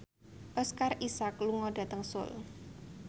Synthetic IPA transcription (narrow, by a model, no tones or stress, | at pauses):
ʔɔskarisakluŋɔɖ̥a̤t̪əŋsʊ̰l